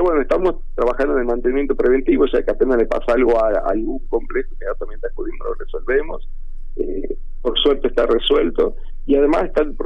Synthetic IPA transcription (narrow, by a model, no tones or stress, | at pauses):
βwenoet̪amost̪ɾaβaxand̪oenelmant̪enimjent̪opɾeβe̞nt̪iβosa̰keapenalepa̰salɣoaaa̰lɣuŋko̞mplexo̥eɣat̪amjent̪akuðimonoresolβemo̞̰s | ḛ | poɾksweɾt̪oest̪areswelt̪o̞̰ | iaðemaseht̪alpɾ